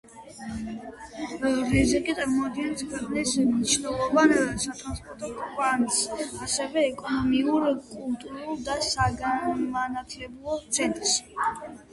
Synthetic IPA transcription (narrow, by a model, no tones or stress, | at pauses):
ɾɛzikʼit̪sʼaɾmɔad̪ɡɛnskʰwɛqʼnɛsmniʃnɛlˠɔvansat̪ʼɾanspʼɔɾt̪ʼɔkʰʼansasɛvɛːkʼɔnɔmiuɾkʼulˠt̪ʼuɾulˠd̪asaɡamanat̪ʰlɛblˠɔt̪sʰɛnt̪ʼɾs